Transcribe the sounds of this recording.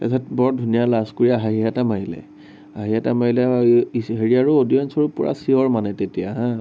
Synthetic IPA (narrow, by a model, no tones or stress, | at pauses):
atʰɛt̚bɔɹdʱunijalaskoɹiaɦaɦiɦatamaɦilɛ̰ | aɦiɦatamaɦilɛɦeɹiaɹuodijɔnsɔɹupʊɹa̰siɔɹmanɛtetijaɦã